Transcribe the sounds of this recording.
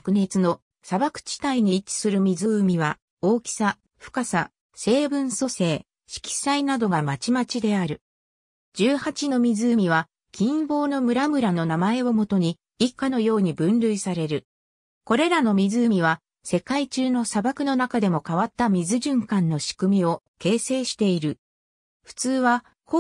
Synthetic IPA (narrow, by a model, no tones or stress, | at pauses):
kɯ̟ne̞t͡sɨno̞ | sabakɯ̟̥t͡ɕi̥t̪aiɲ̟it͡ɕi̥sɨɾɯ̟mʲizɨːmʲiβa | oːkʲi̥sa | ɸɯ̟̥kasa | se̞ːbɯ̟̃ɰ̃so̞se̞ː | ɕi̥kʲi̥sainad̪o̞ɡamat͡ɕimat͡ɕid̪e̞aɾɯ̟ | d͡ʑɨːhat͡ɕino̞mʲizɨɯmʲiβ̞a | kʲʰĩmbo̞ːno̞mɯ̟ɾamɯ̟ɾano̞namae̞o̞mo̞t̪o̞ɲ̟i | ikːano̞jo̞ːɲ̟ibɯ̟̃nɾɯ̟isaɾe̞ɾɯ̟ | ko̞ɾe̞ɾano̞mʲizɨmʲiβ̞a | se̞kait͡ɕɨːno̞sabakɯ̟no̞nakad̪e̞mo̞kaβat̪ːamʲizɨʑɨ̃ŋkãnːo̞ɕi̥kɯ̟mʲio̞ | ke̞ːse̞ːɕi̥t̪e̞iɾɯ̟ | ɸɯ̟̥t͡sɨːβa | k